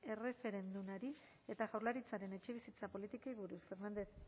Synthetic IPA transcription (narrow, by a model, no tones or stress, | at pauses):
e̞re̞fe̞ɾe̞nd̪unaɾi | e̞t̪aɣawɾlaɾit͡saɾe̞ne̞t͡ʃe̞β̞isit͡sapo̞lit̪ikejβuɾusfe̞ɾnand̪e̞θ